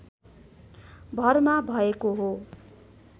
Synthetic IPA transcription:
bʱʌrmabʱʌekoɦo

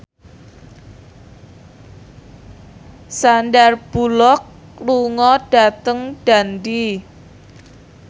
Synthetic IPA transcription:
sandarb̥ulɔk | luŋɔd̥a̤t̪əŋɖ̥a̤ndi

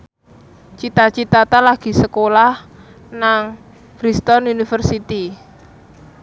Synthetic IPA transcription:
t͡ʃit̪at͡ʃit̪at̪alaɡ̥i̤səkolah | naŋ | fɾist̪ɔnunifərsit̪i

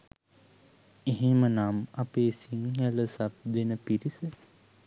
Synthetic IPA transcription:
eɦemənamapeːsiŋjələsap̚d̪enəpiɾisə

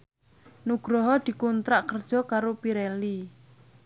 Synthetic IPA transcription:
nuɡ̥ɾɔɦɔd̪̥i̤kunt̪ɾaʔkərd̥ʒ̥ɔ̤kaɾopiɾɛli

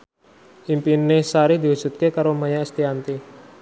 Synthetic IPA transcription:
ʔimpinesaɾid̪iɦu̥d͡ʒ̥ṳt̪̚kekaɾomajaɛst̪iant̪i

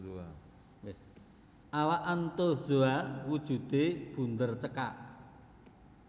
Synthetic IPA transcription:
wɪs | ʔawaʔant̪oz̥oawud̥ʒ̥ṳd̪̥eb̥ṳnd̪ərt͡ʃəkaʔ

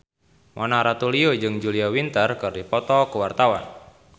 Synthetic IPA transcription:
mʔɔnaɾat̪uliod͡ʒɨŋd͡ʒuliawint̪ərkɨrdipɔt̪ɔkəwart̪awa̰n

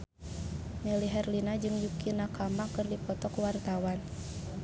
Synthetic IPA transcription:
mɛliɦɛrlinad͡ʒɨŋjukinakamakɨrdipɔt̪ɔkuwart̪awan

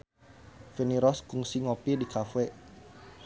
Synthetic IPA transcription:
feniɾɔskuŋsiŋopidikafɛ

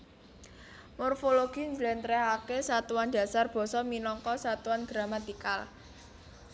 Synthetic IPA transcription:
mɔrfoloɡ̥i̤nd͡ʒlɛnt̪ɾɛɦakesat̪uwand̥a̤sarb̥ɔ̤sɔminɔŋkɔsat̪uanɡ̥ɾamat̪ika̰l

